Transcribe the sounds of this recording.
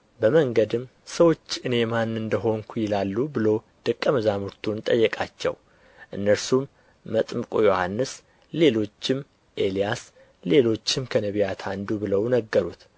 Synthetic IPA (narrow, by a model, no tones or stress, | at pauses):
bəməŋɡəd̪ɨm | səwo̞t͡ʃːʔɨne̞manːɨnd̪əɦo̞ŋkʰujɪlalːubɨlow | d̪̥ɨkʼːəməzamuɾt̪ʰunt̪ʼəjːɛkʼat͡ʃːɛ̰w | ʔɨnːəɾsumː | ət̪ʼmkʼojo̞hanːɨs | le̞lo̞t͡ʃːɪm | ʔe̞lijas | le̞lo̞t͡ʃːɪmkʰənəβijat̪ʰand̪ubɨləwnəɡːəɾut̪